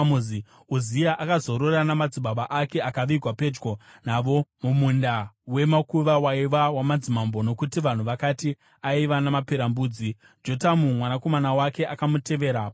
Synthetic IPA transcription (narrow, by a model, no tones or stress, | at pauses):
muzi | uzijaʔakazo̞ɾo̞ranamad͡ziɓaɓaʔake̞akaʋiɡʱwape̞d͡ʒɡo̞naːʋo̞mumundawe̞makuʋawaiʋawamad͡zimambo̞no̞kutiʋan̤uʋakati | aiʋanamapeɾambuːd͡zi | d͡ʒo̞tamumwanako̞manawake̞ʔakamute̞ʋe̞ːɾa